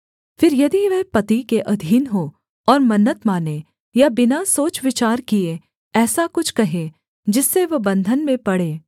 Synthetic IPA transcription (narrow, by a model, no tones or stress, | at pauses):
fɪɾjɐd̪iʋɛɦpɐt̪ikeʔɐd̪ʱiːnɦoː | ɔːɾmɐnːət̪maːne | jabɪnasoːt͡ʃʋɪt͡ʃaːɾkie | ɛːsakʊt͡ʃʰkɐɦẽ | d͡ʒɪsːeʋɐbɐ̃nd̪ʱənmẽpɐɽeː